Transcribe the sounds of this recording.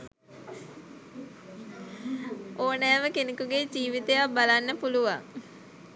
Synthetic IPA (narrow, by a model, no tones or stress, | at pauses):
oːnɛːʋəkenekuɡed͡ʒiːʋit̪ejabalanːəpuluʋaŋ